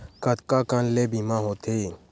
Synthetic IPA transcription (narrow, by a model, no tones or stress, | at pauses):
kət̪kakanleːbimãɦoːt̪ʰeː